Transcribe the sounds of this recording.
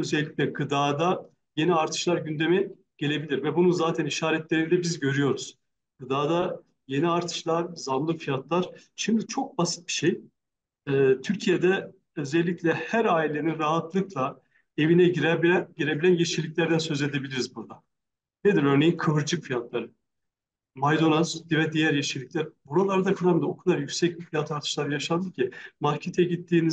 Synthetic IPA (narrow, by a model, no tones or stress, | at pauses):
øzɛlʲːiclʲɛɡɯd̪aːd̪a | je̞niaɾt̪ʰɯ̥ʃlˠaɾɟynd̪e̞mi | ɟ̥e̞lʲe̞bilʲiɾvɛbununzaːt̪ʰæniʃaːɾɛt̪lʲe̞ɾind̪ɛbizɟø̞ɾyjo̞ɾuz̥ | ɡ̥ɯd̪aːd̪a | je̞niaɾt̪ʰɯ̥ʃlˠaɾzamlˠɯfijat̪lˠaɾ̥ | ʃimd̪it͡ʃʰo̞k̚basɯ̥t̪̚bi̥ʃej | ɛːt̪ʰyɾcʰije̞d̪ɛ | ø̞zɛlʲːiclʲɛhæɾaːilʲe̞ninɾaɦat̪lˠɯklˠa | e̞vinɛɟiɾbɟiɾe̞bilʲænjeʃilʲicʲlʲæɾd̪ænsø̞zlʲe̞d̪e̞bilʲiɾizbuɾd̪a | ned̪iɾø̞ɾne̞jinkʰɯvɯɾd͡ʒɯkfijat̪lˠaɾɯ | majd̪o̞nazd̪ivɛd̪ijæɾjeʃilʲiclʲæɾbuɾalˠaɾd̪akɯɾamd̪ɯokʰud̪aɾjycʲsɛc̚bifijat̪ʰaɾt̪ʰɯ̥ʃlˠaɾɯjaʃand̪ɯcʰimaɾcʰet̪ʰjɛɟit̪ːiːniz